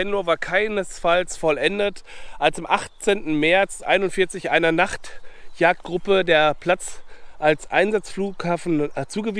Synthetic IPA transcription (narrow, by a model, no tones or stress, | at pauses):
ɛnoːvaːɐkʰaɪnəsfalsfɔlʔɛndətʔalsɪmʔa̰χt͡seːntn̩mɛɐt͡sʔa̰ɪnʊntfɪɐt͡sɪçʔa̰ɪnɐnaχtjaːk̚t̚ɡ̥ʁʊpədeːɐpʰl̥at͡sʔalsʔaɪnzat͡sfluːkhaːfn̩t͡suːɡəvi